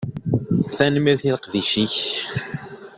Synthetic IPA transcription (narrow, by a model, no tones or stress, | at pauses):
θænmiɾθiləqðiʃiç